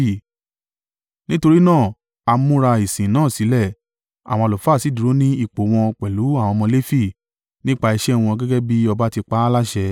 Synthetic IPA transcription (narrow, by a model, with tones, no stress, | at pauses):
nĩ˦to˧ɾi˦nãː˦˨ | a˧mũ˦ɾa˧i˨sĩ˨nãː˦˨si˨˦lɛ˦˨ | a̰˨wɔ̃˧lo˨fa˦˨si˦˨du˨ɾo˨˦nĩ˦i˦˨k͡po˨˦w̃ɔ̃˧k͡pɛ˨lu˨˦a˦˨w̃ɔ̃˧mɔ̃˧le˦fi˦˨ | nĩ˦k͡pa˦˧i˧ʃɛ˦˧w̃ɔ̃˧ɡɛ˦ɡɛ˦bi˦ɔ˧ba˦ti˧k͡pa˦la˦ʃɛ˧